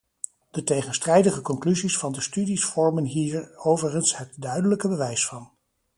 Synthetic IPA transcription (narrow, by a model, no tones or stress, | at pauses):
d̥ətejχənstrɛjdəχəkɔŋklyzisfɑndəstydisfɔɹmənɦiːɹowvəχənsɦətdœɥdələkəbəʋɛjsfɑn